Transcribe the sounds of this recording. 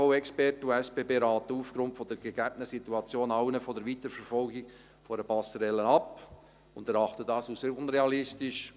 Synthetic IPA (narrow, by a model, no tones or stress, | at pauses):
ɔʊɛkspɛrtəuɛspeːbeːɾɑːt̪əufɡɾʊntfɔd̪ɛɾɡ̥əɡæb̥ənəsituɑt͡sjoːnɑʊnəfɔdəɾʋit̪əɾfɛɾfɔlɡik | fɔɾəpɑsəɾɛlːənɑp | ʊndɛɾɑχt̪ədɑːsusʊnɾeɑlɪstɪʃ